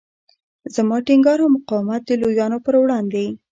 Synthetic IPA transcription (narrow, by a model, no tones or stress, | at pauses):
zamɑʈɪŋɡɑɾamʊqɑwamat̪̚d̪əlojɑnopəɾwɽɑnd̪e